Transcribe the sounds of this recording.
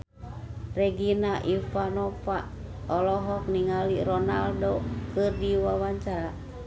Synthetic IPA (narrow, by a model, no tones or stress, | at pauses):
rɛɡinaʔifanɔfaʔ | ɔlɔɦɔk̚niŋaliɾɔnaldokɨrdiwawaɲt͡ʃaɾa